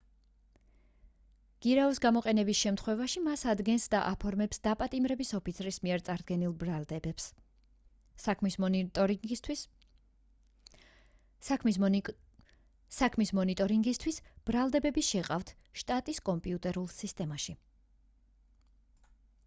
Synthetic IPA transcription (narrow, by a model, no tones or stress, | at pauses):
ɡ̥iɾausɡamɔqʼɛnɛbisʃɛmt̪ʰχwɛvaʃimasad̪ɡɛnsd̪aʔapʰɔɾmɛpsd̪apʼat̪ʼimɾɛbisɔpʰit̪sʰɾismiɛɾt̪sʼaɾd̪ɡɛnilˠbɾald̪ɛbɛps | mis | t̪ʰ | sakʰmismɔnit̪ʼɔɾiŋɡist̪ʰwisb̥ɾalˠd̪ɛbɛbiʃɛqʼaft̪ʰ | ʃt̪ʼat̪ʼiskʼɔmpʼiut̪ʼɛɾulˠsist̪ʼɛmaʃi